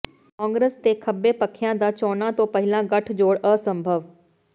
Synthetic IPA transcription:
kɔ̃ːŋɡɾest̪eːkʰəbːeːpəkʰːjãːd̪aːt͡ʃɔːnãːt̪õːpəɦɪlãːɡəʈʰd͡ʒoːɽəːsəmbʱəʋ

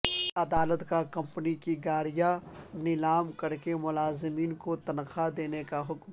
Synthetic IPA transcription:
ɐd̪aːlət̪kakɐ̃mpnikiɡaːɾijanɪlaːmkɐɾkemʊlaːzɪmiːnkot̪ɐnqad̪eːnekaɦʊkm

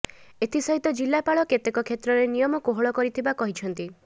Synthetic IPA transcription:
et̪ʰisɔɦit̪ɔd͡ʒilːapaɭɔket̪ekɔkʰet̪ɾɔɾenijɔmɔkoɦɔɭɔkɔɾit̪ʰibakɔɦit͡ʃʰɔnt̪i

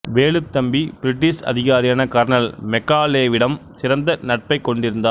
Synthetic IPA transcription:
ʋeːɭɯt̪ːɐmbib̥ɪɾɪʈːɪsɐ̰ðɪɣaːɾɪjaːnɐkaːɾɐnɐlmɛkːaːleːʋɪɽɐmsɪɾɐnd̪ɐnɐʈ̚pɐɪkːɔɳɖɪɾɯnd̪aː

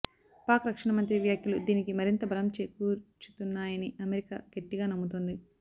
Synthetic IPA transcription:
paːkɾɐkʂɐɳɐmɐnt̪ɾiʋjaːkjulud̪iːnikimɐɾint̪ɐbʱɐlɐmt͡ʃeːkuːt͡ʃu̥t̪unːaːjɐniʔɐmeɾika̰ːɡ̥e̞ʈːiɡaːnɐmːut̪ond̪i

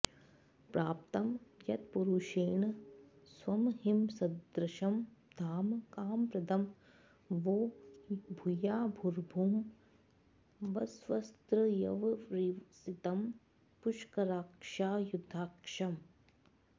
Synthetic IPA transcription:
pɾaːpt̪ɐmjɐt̪puɾuːʃeːɳsʋɐmɦimsɐd̪ɾɐʃɐmd̪ʱaːmkaːmpɾɐd̪ɐm | ʋoːbʱujaːbʱuɾbʱuːm | ʋɐsʋɐst̪ɾɐjɐʋɾisit̪ɐm | puʃkɐɾaːkʂaːjud̪ʱːaːkʂɐm

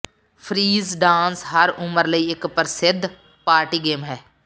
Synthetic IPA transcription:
pʰɾiːzɖãːnsɦəɾʊməɾləiːɪkpəɾsɪd̪ʱ | paːɾʈiːɡeːmɦɛː

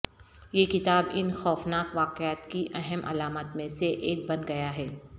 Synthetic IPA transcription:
jekɪt̪aːbɪnxɔːfnaːkʋaːqjaːt̪kiʔɛɦɛmʔɐ̰laːmət̪mẽseʔeːk̚bɐnɡɐjaɦɛː

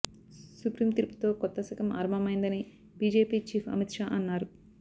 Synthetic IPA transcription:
supɾiːmt̪iɾupu̥t̪o̞ːkɔt̪ːɐsɐkɐmʔɐ̰ɾɐmɐmɐjnd̪ɐni | biːd͡ʒe̞ːpiːt͡ʃiːpʰɐ̰mit̪ʂaːʔɐnːaːɾu

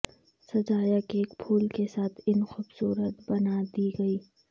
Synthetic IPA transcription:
sɐd͡ʒaːjəkeːkpʰuːlkesaːt̪ʰɪnxʊbsuːɾət̪bɐnad̪iɡɐiː

